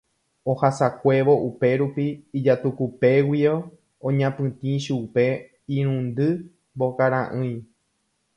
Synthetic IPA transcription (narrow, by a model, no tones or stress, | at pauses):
ohasakʷe̞ʋo̞ʔupe̞ɾupiːd͡ʒat̪ukupe̞wio | õɲãpɨ̃t̪ĩʃupe̞ | ĩɾ̃ũnd̪ɨ | mbo̞kaɾãʔɨ̃j̃